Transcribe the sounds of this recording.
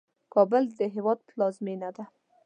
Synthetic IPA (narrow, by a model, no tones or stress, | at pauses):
kɑbəld̪əɦewɑd̪̚plɑzmenad̪a